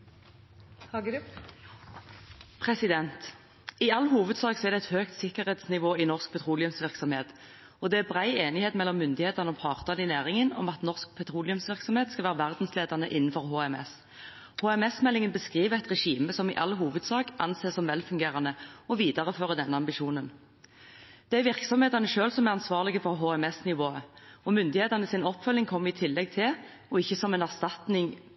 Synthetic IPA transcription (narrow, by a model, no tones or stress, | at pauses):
pʰʁɛsɪd̪ɛnt̪ | ɪɑlːhuːʋəd̪sɑːksɔɛʁd̪ɛæɪt̪høːkt̪sɪkəʁheːt̪snɪʋoːɪnɔʁsk̚pʰɛt̪ʰʁuːlɪʉmsʋɪʁksɔmheːt̪ | ɔd̪ɛæbʁæɪeːnɪheːt̪mɛlːɔmːʏnd̪ɪheːt̪ɑnəɔpʰɑːʁt̪ɑnɪnæːʁɪŋənɔ̰mɑt̪nɔʁsk̚pʰɛt̪ʰʁuːlɪʉmsʋɪʁksɔmheːt̪skɑʋæːʁəʋæʁd̪n̩sleːd̪ɑnəʔɪnːn̩fɔʁhoːɛmɛ̰s | hoːɛmɛsmɛlːɪŋənbəskʁiːʋəɛt̪ʁɛʂiːməsɔmɪ̰ʔɑ̰lɦuːʋəd̪sɑːkʔɑ̰nseːsɔmʋɛlfʉŋɡeːʁɑnəɔʋiːd̪ɑʁəføːʁəd̪ɛnːəɑmbɪʃuːnən | d̪̥æʋɪʁksɔmheːt̪ɑnəʃøːlsɔmæʁɑnsʋɑːʁlɪɡəfɔʁɦoːɛmɛsnɪʋoːəɔmʏnd̪ɪheːt̪ɑʁnəsɪnɔpːfœlːɪŋkʰɔmːɪt̪ʰɪlːɛɡ̚t̪ʰɪl | ɔɪçːəsɔmɛnæʁst̪ɑt̪nɪŋ